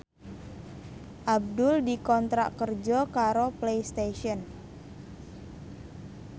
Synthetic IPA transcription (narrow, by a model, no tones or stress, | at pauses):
ʔab̚dʊldikɔnt̪ɾa̰ʔkərd͡ʒɔkaɾoplejst̪eʃiɔn